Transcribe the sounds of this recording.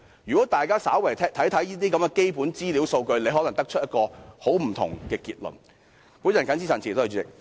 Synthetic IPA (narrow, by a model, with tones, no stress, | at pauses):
jy˨kɔː˨˥t̪aː˨jkaː˥saː˨˥wɐ˨˩jʰt̪ʰɐ˨˥jt̪ʰɐ˨˥jiː˥t̪iː˥kɐ˨˥mɡɛː˧ke˥jpuː˨˥nt͡siː˥li˨˧˥wso˧wkɵ˧ɥle˨˧ɦɔ˨˥lɐ˨˩ŋt̪ɐ˥k̚t͡ʃʰɵ˥t̚jɐ˥t̚kɔː˧ho˨˥wm̩˨˩t̪ʰʊ̰˨˩ŋkɛː˧kiː˧t̚lɵ̰˨˩n | pu˨˥njɐ˨˩nkɐ˨˥ns̬iː˥sɐ˨˩nt͡ɕi˨t̪o˥˧˩t͡ʃyː˨˥t͡sɪ˨k̚